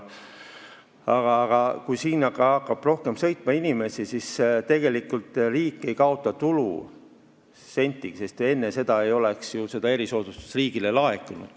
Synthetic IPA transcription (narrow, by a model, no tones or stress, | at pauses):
ɑɡ̥ɑːɡ̥ɑkujsiːnɑkɑɑkːɑb̥ro̞hke̞msɤ̞jt̪ˑmɑinime̞sisist̪e̞ɡ̥e̞likːult̪ˑriːkːˑe̞jkɑo̞t̪ːˑɑt̪ulṵ | se̞nʲt̪ːˑiksest̪e̞nːese̞d̪̥ɑe̞jo̞leksjuse̞d̪ɑe̞ɾiso̞ːd̪ust̪u̥sriːɡ̥ilelɑe̞kːˑunṵd̪̥